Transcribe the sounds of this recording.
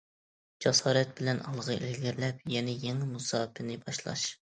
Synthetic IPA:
d͡ʒɑsɑːɾɛt̪̚bɪlɛnɑlˠʁəʔelɡʲɪɾlɛp̚jɛnɛjeŋmusɑːpʰɪnɪbɑʃlˠɑ̰ʃ

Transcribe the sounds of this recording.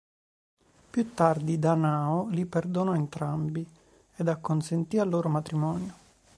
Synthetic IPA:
pjut̪ːard̪id̪anaːoliperd̪onɔent̪ɾambi | ed̪akːonsent̪ialːoːɾomat̪ɾimɔːnjo

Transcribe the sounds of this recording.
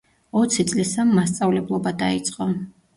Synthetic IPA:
ɔt̪sʰit̪sʼlisamːast̪sʼavlɛblˠɔbad̪ait̪sʼqʼɔ

